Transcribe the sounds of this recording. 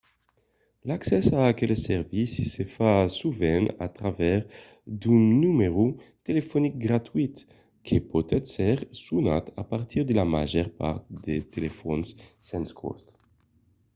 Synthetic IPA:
laksɛsaːkɛlsɛʁvisisefasuvɛna̰t̪ʁavɛʁ | d̪unːumeʁut̪elefonik̚ɡʁat̪wit̪ | kʰepot̪ɛt̪sɛʁsunat̪apaʁt̪iʁd̪elama̰ʒɛʁpa̰ʁt̪̚d̪et̪elefɔnssɛnskʰɔ̰st̪

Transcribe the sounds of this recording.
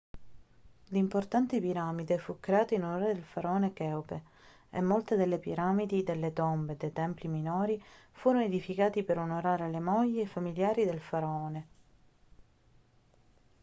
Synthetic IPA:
limport̪ant̪ipiɾaːmid̪efukːɾeaːt̪oinonoɾed̪elfaɾaɔːnekɛope | ḛmːolt̪ed̪elːepiɾamid̪id̪elːet̪ombed̪ejt̪ɛmpliminoːɾifuːɾonoed̪ifikaːt̪ipeɾonoɾaːɾelemɔʎːeːfamiljaːɾid̪elfaɾaɔːne

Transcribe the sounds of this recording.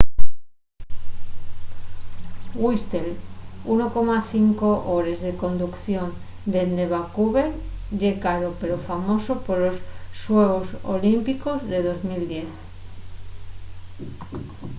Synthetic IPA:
ɣwist̪elunoko̞maθiŋko̞ʔoɾe̞zðe̞ko̞nd̪ukθjo̞n | d̪e̞nd̪e̞βakuβe̞lʎekaɾope̞ɾofamo̞sopoɾlo̞sːweɣoso̰limpiko̞zðe̞ðo̞zmild̪je̞θ

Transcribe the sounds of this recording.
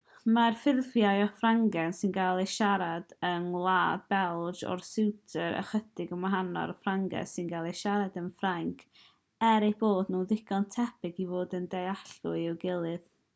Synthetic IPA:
marfɪrvjajɔfraŋɡɛnsɨnɡalˠejʃaɾad̥ənlˠaːdbɛlˠd͡ʒɔ̰rsɪwtʰəɾə̰χədɪɡəmaɦanɔ̰ɾɔfraŋɡɛ̰sɪnɡalˠejʃaɾadənfraŋkʰ | ɛɾejboːdnuːðɪɡɔntʰɛbɪɡivoːdəndejaɬʊ̰ɪwɡɪlˠɨð

